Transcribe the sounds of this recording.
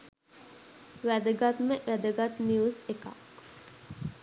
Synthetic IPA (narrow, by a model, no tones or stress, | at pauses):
ʋæd̪əɡat̪meʔʋæd̪əɡat̪njuːseka̰k